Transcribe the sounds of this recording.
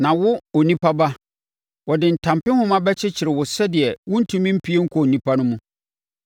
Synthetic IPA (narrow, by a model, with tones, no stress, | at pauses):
nã˨wʊ˦o˨nĩ˦pʰa˦ba˦ | wɔ˨dɪ˨n̩˨tʰã˨mpɪ̃˦hʊ̃˦mã˦bɛ˦t͡ɕʰɪ˦t͡ɕʰɪ˨ɾɪ˨wʊ˨sɛ˦dɪ˨ɛ˨wʊ̃˦n̩˦tʰũ˦mĩ˦m̩˦pʰi˦e˦ŋ̩˦kʰɔ˨nĩ˦pʰa˦nʊ̃˦mũ˦